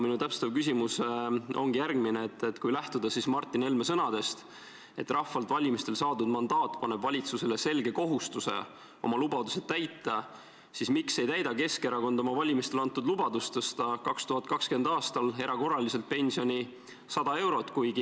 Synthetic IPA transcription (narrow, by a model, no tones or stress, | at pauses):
minut̪æpse̥t̪ːɑvkys̬imuso̞̰ŋɡijærɡ̥mineet̪ːˑet̪ːkujlæht̪ud̪̥ɑsismɑrt̪ːˑine̞lme̞sɤnɑd̪e̞st̪ | e̞̰t̪ːrɑhfːɑlt̪vɑlʲimist̪e̞lsɑːd̪ud̪mɑnd̪ɑːt̪ːˑpɑne̞bvɑlʲit̪suse̞lese̞lɡe̞ko̞ɦust̪use̞̰ | o̞̰mɑlubɑd̪use̞d̪t̪ːæjt̪ːˑɑ | sismikse̞jt̪æjd̪ɑke̞ske̞ɾɑko̞nd̪o̞mɑvɑlʲimist̪e̞lɑnt̪ːud̪lubɑd̪ust̪ɤst̪ɑkɑkst̪uɦɑt̪̚ˑkɑkske̞nd̪̥ɑːst̪ɑle̞ɾʔɑko̞rːɑlise̞lt̪̚pe̞nʲsio̞nʲi | sɑd̪̥ɑe̞wɾo̞t̪ːˑkujɡi